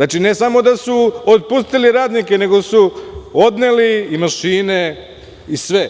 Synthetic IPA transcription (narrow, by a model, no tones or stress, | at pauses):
naːt͡ʃine̞samo̞d̪asuot̪̚pust̪iliɾaːd̪nike̞ne̞ɡo̞suo̞d̪neliimaʃiːne̞ | isʋe